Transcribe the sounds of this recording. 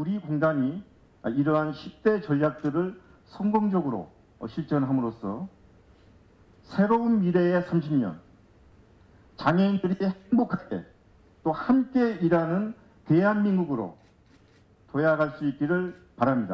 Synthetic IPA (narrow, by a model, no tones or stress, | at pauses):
uɾikoŋdaɲi | iɾʌɦanɕʰip̚t͈e̞t͡ɕʌʎjak̚t͈ɯɾɯɭ | sʰʌŋɡoŋd͡ʑʌɡɯɾo̰ | ɕʰiɭt͡ɕ͈ʌnɦamɯɾosʰʌ̰ | sʰe̞ɾounmiɾe̞esʰamɕʰimɲʌ̰n | t͡ɕaŋeindɯɾiheŋbokʰaɡe̞̰ | t͈ohamk͈e̞iɾanɯn | te̞ɦanminɡuɡɯɾo̰ | tojaɡaɭs͈uik̚k͈iɾɯɭ | paɾamɲida̰